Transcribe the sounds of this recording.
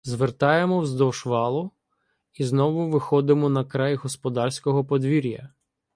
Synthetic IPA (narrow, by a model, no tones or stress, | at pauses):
zʋert̪ɑjemɔwzd̪ɔʃʋɑlˠʊ | iznɔʋʊʋɪxɔd̪ɪmɔnɐkɾɑjɦɔspɔd̪ɑrsʲkɔɦɔpɔd̪ʋʲiɾʲjɐ̰